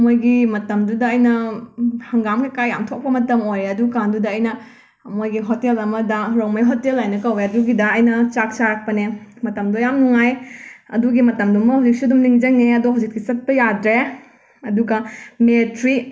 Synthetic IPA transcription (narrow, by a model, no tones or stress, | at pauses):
mojɡimɐtɐmdudɐːjnɐ | hɐŋɡamkekajːamtʰok̚pɐmɐtɐmojɾeɐdukandudɐːjnɐ | mojɡiɦotelɐmɐdɐɾowmɐjɦotelajnɐkɐweɐduɡidɐːjnɐt͡ʃak̚t͡ʃaɾak̚pɐnemɐtɐmdojamnuŋaj | ɐ̰duɡimɐtɐmdumbɐhawzik̚sidumniŋd͡ʒɐŋeɐdoɦawd͡ʒik̚kit͡ʃɐt̚pɐjadɾe | ɐduɡɐmetɾi